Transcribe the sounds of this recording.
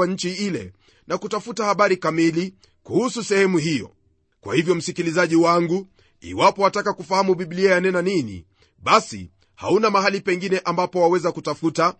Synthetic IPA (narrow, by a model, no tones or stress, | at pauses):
aɲ̩t͡ʃiilɛ̰ | nakutafutahaɓaɾikamili | kuhususɛhɛmuhijɔ̰ | kwa̰hivjɔm̩sikilizaʄiwaŋɡu | ḭwapɔatakakufahamuɓiɓliajanɛnaninḭ | ɓasḭ | ha̰unamaɦalipɛŋɡinɛʔambapɔwawɛzakutafuta